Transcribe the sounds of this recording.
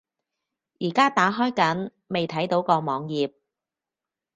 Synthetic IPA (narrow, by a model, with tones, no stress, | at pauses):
jiː˨˩kaː˥t̪aː˨˥ɦɔː˥jkɐ˨˥n | me˨jt̪ʰɐ˨˥jt̪o˨˥wkɔː˧mɔː˨˧ŋjiː˨p̚